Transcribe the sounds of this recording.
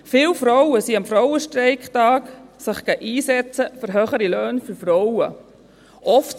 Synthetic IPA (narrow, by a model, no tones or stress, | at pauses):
fɪlfɾɔwəsiɑmfɾɔwəʃtɾɛɪkχtɑːksɪχɡ̥ɛʔiːsɛt͡səfʏɾɦøːχəɾiløːnfyɾfɾɔwə | ʔɔft